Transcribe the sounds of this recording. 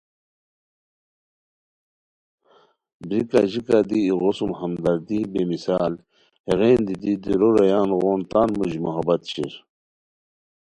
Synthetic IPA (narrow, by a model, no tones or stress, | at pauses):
bɾikaʑikad̪iːɣosumhɐmd̪ɐɾd̪ibemisaːl | heɣeːnd̪id̪id̪iɾoɾɐjaːnɣoːnt̪aːnmuʑmuɦɐbɐt̪ɕiɾ